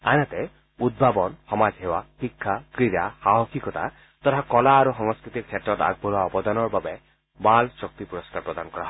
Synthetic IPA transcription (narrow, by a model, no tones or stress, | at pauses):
anat̪e | ud̪̚bʱabɔnhɔmad͡ʒɦewahikʰːakɾiɾahaɦɔkʰikɔt̪a̰ | t̪ɔt̪ʰakɔlaːɾuxɔŋɔskɾit̪ik̚t͡ʃʰeʈːɔt̪a̰ɡ̚bʱulaɔpɔd̪ɔnɔɾbabe | balsɔk̚t̪ipuɾɔskaɾpɾɔd̪anɔkɔɾaɦɔ